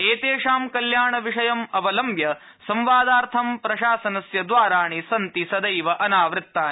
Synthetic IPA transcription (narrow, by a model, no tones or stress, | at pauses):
eːt̪eːʂaːmkɐljaːɳɐʋiʂɐjɐmɐʋɐlɐmbjɐ | sɐmʋaːd̪aːɾt̪ʰɐmpɾɐʃaːsɐnɐsjɐd̪ʋaːɾaːɳisɐnt̪isɐd̪ɐjʋɐʔɐnaːʋɾɪt̪ːaːn